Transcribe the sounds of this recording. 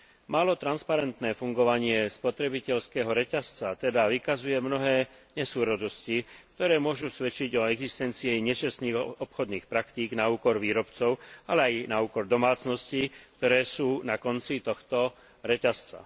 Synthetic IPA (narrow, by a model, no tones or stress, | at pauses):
maːlɔt̪ɾanspaɾɛnt̪nɛːfuŋɡɔʋaɲɪɛspɔt̪ɾɛbicɛʎskɛːɦɔɾɛcast͡sat̪ɛd̪aʋikazujɛmnɔɦɛː | ɲɛsuːɾɔd̪ɔscik̚t̪ɔɾɛːmʊɔʒusʋɛt͡ʃiɟɔɛɡzist̪ɛnt͡siɛɲɛt͡ʃasniːɣɔpxɔd̪niːxpɾakt̪iːɡnauːkɔɾʋiːɾɔpt͡sɔʊalɛajnauːkɔɾd̪ɔmaːt͡snɔscik̚t̪ɔɾɛːsuːnakɔnt͡sit̪ɔxt̪ɔ | ɾɛcast͡sa̰